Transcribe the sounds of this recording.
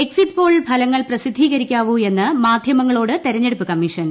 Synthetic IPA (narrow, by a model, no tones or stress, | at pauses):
eksit̪ːpo̞ːɭbʱɐlɐŋːɐɭprɐsid̪ʱːiːɣɐɾikʲːaːʋue̞nːɨmaːd̪ʱjɐmɐŋːɐɭo̞ːɽɨt̪eɾɐɲːe̞ɽupːɨkɐmːiʂɐn